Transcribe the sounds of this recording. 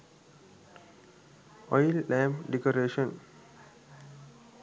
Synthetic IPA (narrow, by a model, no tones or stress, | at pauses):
ɔjlːæ̃mɖekoɾeːʃə̃n